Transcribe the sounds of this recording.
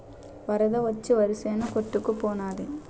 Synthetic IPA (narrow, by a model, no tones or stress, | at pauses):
ʋɐɾɐðɐʋɐt͡ʃːɯʋɐɾɯseːnɐkɔʈːɯkːɯpːoːnaːðɯ